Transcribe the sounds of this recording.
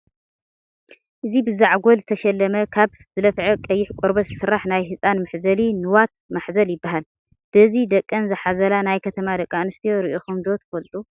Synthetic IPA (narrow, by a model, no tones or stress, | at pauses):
ʔɨzibɨzaʕɡolzɨt̪ʰɐʃɛlːɐmɐkʰaβ | zɨlɐfʕɐkʼɐjːɪħkʷʼoɾbɐzɨsɨrːaħnajɦɨsʼanmɨħzɐlinɨwat̪̚maħzɐljɪbːaɦal | b̥ɨzid̪ɐkʼːɐnzɨħazɐlanajkʰɐt̪ʰɐmad̪ɐkʼːanɨst̪ʰijoɾɨʔoxumd̪o̞t̪ʰfolt̪ʼu